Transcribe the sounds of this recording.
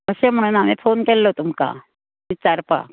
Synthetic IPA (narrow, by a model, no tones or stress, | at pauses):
məsem̤əɽ̃unamiːfonkelːot̪umka̰ | ʋit͡saɾpa̰